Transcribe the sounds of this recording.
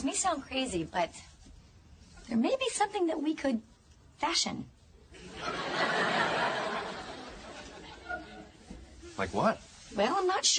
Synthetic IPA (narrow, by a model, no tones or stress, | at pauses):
zmiɪsãʊ̃nd̚kʰɹ̥eɪzibʌt̪̚ | ðə˞meɪbisʌ̃mθɪ̃ŋðɨt̚wikʰɨd̚ | fæʃɨ̰̃n | laɪkwʌt̚wɛlˠãɪ̃mnətʃ